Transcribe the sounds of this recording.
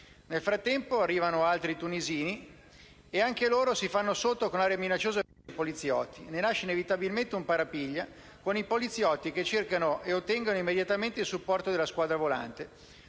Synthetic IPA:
nelfɾat̪ːɛmpoarːiːvanoalt̪ɾit̪uniziːni | eaŋkeloːɾosifanːosot̪ːokonlaːɾeaminat͡ʃːoːza | polit̪sjɔ̰t̪ːinenaʃːeinevit̪abilment̪eumpaɾapiʎːa | konipolit̪sːjɔt̪ːiket͡ʃːerkanoʔeot̪ːɛŋɡanoimːed̪jat̪ament̪eilsupːɔrt̪od̪elaskwaːd̪ɾavola̰nt̪e

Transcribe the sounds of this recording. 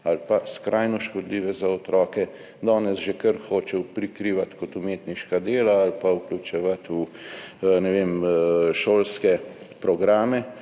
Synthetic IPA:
alpaskɾʔajnɔʃkɔd̪liːʋɛzaɔt̪ɾɔːkɛ | d̪ɔːnɛsʒɛkəɾxoːt͡ʃɛwpɾikɾiːʋat̪kɔt̪umeːt̪niʃkad̪eːlaːlpauklʲut͡ʃɛʋat̪u | nɛʋeːmʃoːlskɛpɾɔɡɾaːmɛ

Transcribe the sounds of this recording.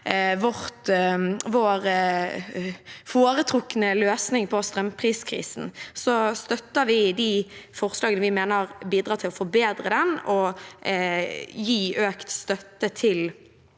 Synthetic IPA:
ʋɔʁt̪ʋoːɾ | foːɾət̪ʰɾʊkːənəløːsnɪŋpʰɔst̪ɾɛmpʰɾiːskʰɾḭːsn̩sɔst̪œt̪ːəɾʋɪd̪ɪfɔʁslɑːɡənəʋɪmeːnəɾbiːd̪ɾɑːt̪ʰɪlɔfɔɾbeːd̪ɾəd̪ɛnɔ | jiːøːkt̪st̪œt̪ːət̪ʰɪl

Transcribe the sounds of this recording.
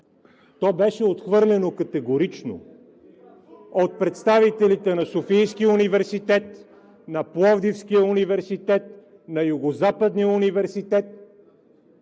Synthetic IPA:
t̪ɔbɛʃɛot̪xvɤɾlʲɛnokɐt̪ɛɡoɾit͡ʃno̰ | ot̪̚pɾɛt̪st̪avit̪ɛlit̪ɛnɐsofijskiunivɛɾsit̪ɛt̪ | nɐplˠɔvd̪ifskijəunivɛɾsit̪ɛt̪̚ | nɐjʊɡozapəd̪niəunivɛɾsit̪ɛt̪̚

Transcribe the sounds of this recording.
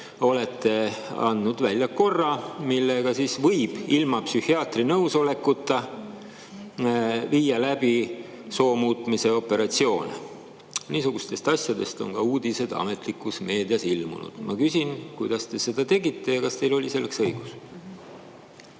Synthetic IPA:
o̞le̞t̪ːe̞ɑ̰nd̪nud̪̥vælʲjɑko̞rːɑmilːeɡ̥ɑsiːsvɤjb̥ilmɑpsyhiɑːt̪rinɤwso̞le̞kːˑut̪ˑːɑ | viːjɑlæb̥i | so̞ːmuːt̪ˑmise̞o̞pːe̞ɾɑt̪sio̞ːne | niːsuɡ̥ust̪e̞st̪ɑsʲjɑd̪e̞st̪o̞̰ŋkɑuːd̪ise̞d̪̥ɑ̰me̞t̪ˑlikːˑusme̞ːd̪iɑsilmṵnṵd̪̥mʔɑ̰kysinkujd̪̥ɑst̪e̞se̞d̪̥ɑt̪e̞ɡit̪ːe̞jɑkɑst̪e̞jlo̞lʲise̞lːeksɤjɡ̥us

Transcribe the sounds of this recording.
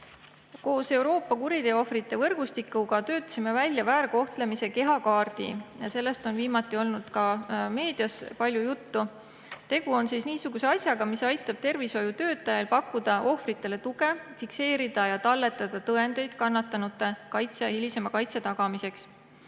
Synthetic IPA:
ko̞ːse̞uwɾo̞ːpːˑɑkuɾid̪e̞o̞frit̪ːˑe̞vɤrɡ̥ust̪ikːˑuɡɑt̪ø̞ːt̪ːˑɑ̥sime̞vælʲjɑvæːɾɡo̞ht̪le̞mise̞ke̞ɦɑkɑːrd̪̥ḭjɑse̞lːe̞st̪o̞nviːmɑt̪ːˑio̞lnud̪̥kɑme̞ːd̪̥jɑspɑlʲjujut̪ːu | t̪e̞ɡ̥uo̞nsisniːsuɡ̥use̞ɑsʲjɑɡ̥ɑmisɑjt̪ːˑɑb̥̚t̪e̞rviso̞jut̪ø̞ːt̪ːˑɑjɑlpɑkːˑud̪̥ɑʔo̞frit̪ːˑe̞le̞t̪uɡe̞fikse̞ːɾid̪̥ɑjɑt̪ɑlːe̞t̪ːˑɑd̪̥ɑt̪ɤe̞nd̪̥e̞jd̪̥̚kɑnːɑt̪ːˑɑnut̪ːˑe̞kɑjt̪sɑhilise̞mɑkɑjt̪set̪ɑɡ̥ɑmise̞ks

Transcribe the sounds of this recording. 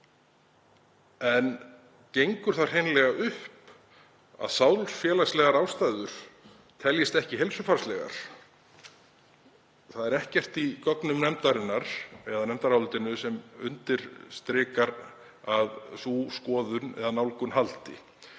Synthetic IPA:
ɛn | cejŋkʏɾ̥θaɾ̥hejnlɛɣaʔʏhp | a̰ðsaːwlsfjɛːlaslɛɣaɾawst̪ajðʏɾ̥ | t̪ʰɛljɪst̪ɛhcɪɦelsʏfaɾ̥slɛɣa̰ɾ̥ | θaðɛɾɛhcɛr̥t̪ikɔknʏmnɛmt̪aɾɪnːaɾ̥ɛðanɛmt̪aɾawlt̪ɪnʏsɛmʏ̰nt̪ɪɾ̥st̪ɾɪːkaɾ | aðsuːskɔːðʏnɛ̰ðanawlkʏnhalt̪ɪ̰

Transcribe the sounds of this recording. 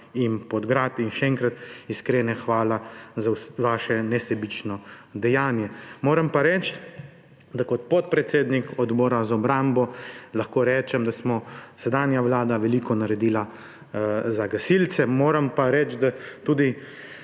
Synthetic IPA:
inpɔd̪ɡɾat̪inʃɛɛŋkɾat̪iskɾeːnɛxʋaːlazaʋaːʃɛnɛsɛbit͡ʃnɔd̪ɛjaːnjɛmoːɾɛmpaɾɛt͡ʃt̪ | d̪akɔt̪pɔt̪̚pɾɛt̪seːd̪nikɔd̪bɔːɾazaɔbɾambɔlaxkoːɾɛːt͡ʃɛmd̪asmɔsɛd̪aːnjaʋlaːd̪aʋɛlikɔnaɾɛd̪iːla | zaɡasilt̪sɛmoːɾɛmpaɾɛt͡ʃd̪at̪uːd̪i

